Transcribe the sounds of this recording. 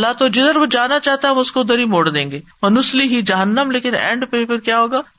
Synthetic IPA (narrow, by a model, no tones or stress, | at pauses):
lːat̪od͡ʒɪd̪əɾʋod͡ʒaːnat͡ʃaːɦt̪eɦɐmʊskoʊd̪əɾɦimoːɽd̪ẽːŋɡeːmɐnʊsliɦid͡ʒɐɦənːəmleːkɪnɛ̰̃ːɳɖpefɪɾkjaːɦoːɡaː